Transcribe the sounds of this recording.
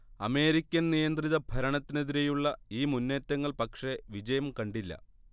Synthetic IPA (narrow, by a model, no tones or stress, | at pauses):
ɐme̞ːɾikʲːɐnnijɐnd̪riðɐbʱɐɾɐɳɐt̪ːine̞ðiɾejuɭːɐiːmunːe̞ːtːɐŋːɐɭpɐkʂe̞ʋid͡ʑɐjɐmkɐɳɖilːɐ̰